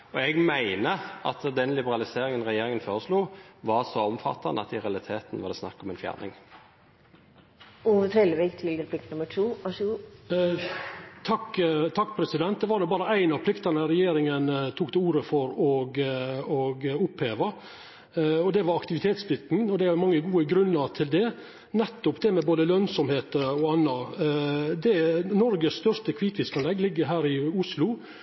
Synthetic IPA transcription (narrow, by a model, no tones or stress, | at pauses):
ɔɛɡmæɪnəʔɑ̰t̪d̪ɛnlɪbəɾɑlɪseːɾɪŋənʁɛjeːɾɪŋənfoːɾəsluːʋɑsɔɔmfɑ̰t̪ːɑ̰nd̪əɑ̰t̪ɪɾɛɑlɪt̪ʰeːt̪n̩ʋɑd̪ɛsnɑ̰kːɑɔmɛnfjæ̰ːɾnɪ̰ŋ | uːʋət̪ʰɾɛlʋɪkt̪ʰɪld̪ɪlplɪkt̪nʊməʈʰuːɔʃʉː | t̪ʰɑkːt̪ʰɑkːpʰɾɛsɪd̪ɛnt̪̚d̪ɛʋɑːɾd̪ɛbɑːɾəæɪnɑpʰlɪkt̪ɑnəɾɛjeːɾɪŋənt̪ʰuːkt̪ɛuːɾəfɔɾɔɡɔɡʊpheːʋɑ | ɔd̪ɛʋɑɾɑkt̪ɪʋɪt̪ʰeːt̪sflɪt̪n̩ɔd̪ɛæɾmɑŋːəɡuːəɡɾʉnːəɾt̪ʰɪld̪ɛ | nɛt̪ːʊpd̪ɛmɛboːd̪əlœnsɔmheːt̪ɔɑnːɑ | d̪ɛnɔɾɡəsst̪œʂt̪əkʰʋiːt̪ʋɪskɑnlɛɡːlɪɡːəɾɦæːɾɪʊslʊ